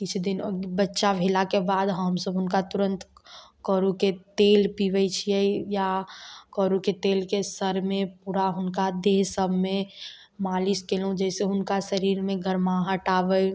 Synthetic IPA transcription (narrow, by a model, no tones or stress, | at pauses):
kit͡ʃʰd̪inbətːʃabʱelakebaːd̪ɦəmsəbʊnkat̪ʊɾə̃nt̪kəɾuket̪eːlpiʋəjt͡ʃʰijɛjakɔɾuket̪eːlkesəɾmẽpuɾaɦʊnkad̪eːɦsəbʱmẽ | maːliskelũd͡ʒɛːseɦʊnkasəɾiːɾmẽɡʱəɾmaɦəʈaːʋəj